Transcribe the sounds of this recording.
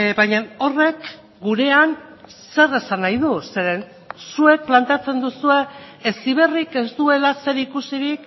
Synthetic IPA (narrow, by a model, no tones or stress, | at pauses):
bajɲao̞re̞k | ɡuɾe̞an | se̞re̞sanajðuseɾen | sue̞k̚plant̪eat͡se̞nd̪usue̞ːsiβ̞e̞rike̞zt̪ue̞lase̞ɾikusiɾik